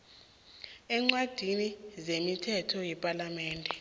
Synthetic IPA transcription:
ɛŋ͡ǀwad̥ʱinizemitʰɛtʰɔjɛpʼalamɛːndʱɛ

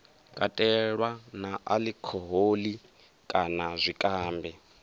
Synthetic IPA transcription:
kʼatʼɛɺwanaʔalikʰɔɦoːli | kʼanazʷikʼaːmbʱɛ

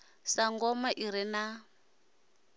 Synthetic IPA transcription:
saŋɡɔmaʔiɾina

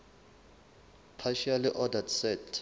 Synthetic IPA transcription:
pʰaʃaliʔɔdatsɛtʰ

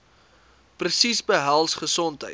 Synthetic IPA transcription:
prəsisbəɦælˠsχəsɔntɦə̰j

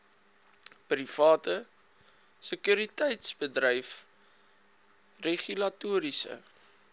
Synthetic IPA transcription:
prifɑːtə | səkjuɾitəjtsbədrəjf | reχylɐtuːɾisə̰

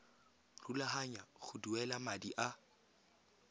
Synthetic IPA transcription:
rulaɦaɲaχʊduɛlamadiʔa

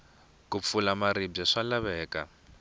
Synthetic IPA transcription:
kup̪fulamaɾibb͡ʐɛʂalaβɛːka

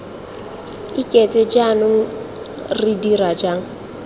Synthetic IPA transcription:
ikʼɛt͡sʼɛd͡ʒanʊŋ̩ | ridirad͡ʒaŋ̩

